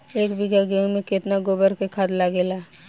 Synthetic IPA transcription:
eːkbiɡaɡeũmẽket̪naɡobəɾkekʰad̪laɡela

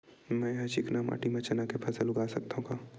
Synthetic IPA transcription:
mɛ̃ːɦɐt͡ʃɪknama̰ːʈimɐ̃t͡ʃɐnakepʰɐsəlʊɡaːsɐkt̪aɦũkaː

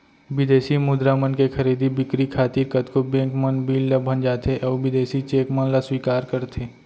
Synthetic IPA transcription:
ʋɪd̪eːsimʊd̪ɾamənkexɐɾiːd̪ibɪkɾikʰaːt̪ikət̪kobẽːŋkmənbiːlːɐbʱə̃nd͡ʒaːt̪ʰeʔɔːʋɪd̪eːsit͡ʃeːkmənlaswiːkaːɾkɐɾt̪ʰeː

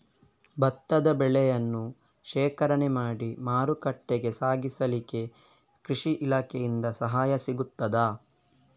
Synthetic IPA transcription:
bɐt̪ːɐd̪ɐbɛɭɛjɐnːu | ʃɛːkɐɾɐɳɛmaːɽimaːɾukɐʈːeɡe̞saːɡisɐlike̞ | kɾiʂiʔilaːkʰejind̪ɐsɐɦaːjɐsiɡut̪ːɐd̪aː

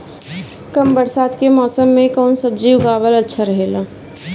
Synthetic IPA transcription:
kɐmbəɾsaːd̪kemɔːsəmːẽkɔːnsəbd͡ʒiʊɡaːʋəlɐtːʃʰaɾɐɦeːɡaː

